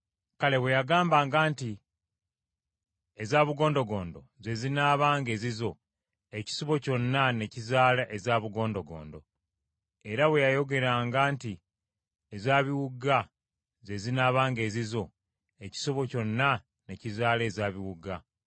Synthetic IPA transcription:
kale̞βwe̞jaɡaːmbaːŋɡaːnti | ezaːβuɡo̞ːndo̞ɡo̞ːndo̞̰ze̞zinaːβaːŋɡe̞ːzizo̞ | e̞ci̥so̞βo̞co̞nːane̞cizaːlaʔezaːβuɡo̞ːndo̞ɡo̰ːndo̞̰ | e̞ɾawe̞jajo̞ɡe̞ɾaːŋɡaːnti | ezaːβiwuɡa | ze̞zinaːβaːŋɡe̞ːzizo̞ | e̞ci̥so̞βo̞co̞nːa | ne̞cizaːle̞ːzaːβiwuɡa

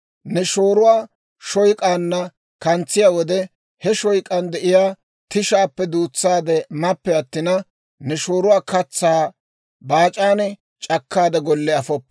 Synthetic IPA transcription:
nɛʃoːɾʊwaː | ʃɔjkʼaːnːɐ | kɐnt͡sːɪjaːwɔd̪ɛ | hɛʃɔjkʼɐnd̪ɛʔɪjaː | t̪ɪʃaːpːɛd̪uːt͡sːaːd̪ɛmɐpːɛɐt̪ːɪnɐ | nɛʃoːɾʊwaːkɐt͡sːaː | baːt͡ʃʼaːnɛ | t͡ʃʼɐkːaːd̪ɐɡɔlːɛɐfɔpːɛ

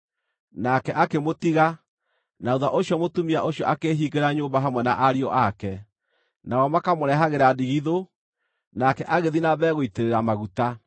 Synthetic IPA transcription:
nakɛʔakemotiɣa | nauðaʔoɕjɔmotumiaʔoɕjɔʔakeɦiːɡeɾaɲoːmbaɦamwɛnaʔaɾiɔʔakɛ | naɔmakamoɾɛɦaɣeɾadiɣiðo | nakɛʔaɣeðinaβɛːɣoiteɾeɾamaɣuta

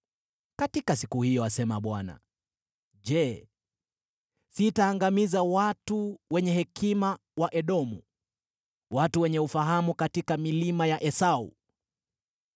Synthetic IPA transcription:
katikasikuhijɔasɛmaɓwana̰ | ʄɛ | sitaːŋɡamizawatuwɛɲɛhɛkima | waʔɛɗɔmṵ | watuwɛɲɛufaɦamukatikamilimajaʔɛsaṵ

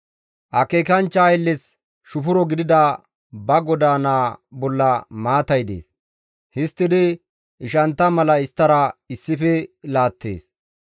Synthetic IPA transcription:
ʔɐkeːkɐnt͡ʃːɐjlːɪs | ʃʊfʊɾɔɡɪd̪ɪd̪ɐ | bɐɡɔd̪aːnaːbɔlːɐmaːt̪ɐjd̪ḛːs | hɪst̪ːɪd̪ɪ | ʔɪʃɐnt̪ːɐmɐlɐɪst̪ːɐɾɐɪsːɪfɛlaːt̪ːḛːs

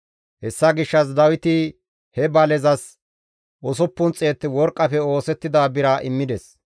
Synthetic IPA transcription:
hɛsːɐɡɪʃːɐs̬d̪ɐwɪt̪ɪ | hɛbɐlɛzɐs | ʔɔsɔpːʊnt͡sʼːeːt̪ːɪwɔɾkʼːɐfɛo̞ːsɛt̪ːɪd̪aːbɪɾaʔɪmːɪd̪ɛs

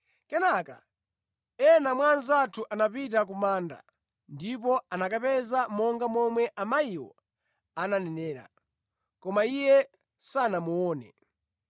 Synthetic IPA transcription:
kɛnaka̰ | ɛnamwanzatʰuʔanapitak̬umaːnda̰ | ndip̬ɔanakapɛzamɔŋɡamɔmwɛʔamaiwɔ̰ | ananɛnɛːɾa̰ | kɔmaijɛ | sanamuɔːnɛ̰

